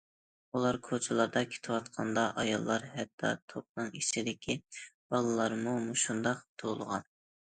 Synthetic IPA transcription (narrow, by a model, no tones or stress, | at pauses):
ulˠɑɾkʰot͡ʃʰɪlˠɑɾd̪ɑkʲʰe̥t̪ʰɨwɑt̪qʰɑnd̪ɑʔɑjɑlˠːɑɾhɛt̪ʰːɑ̰t̪ʰop̚nɨŋit͡ʃʰid̪ɪkʲʰib̥ɑlˠɨlˠɑɾmumuʃund̪ɑqt̪ʰolˠʁɑ̰n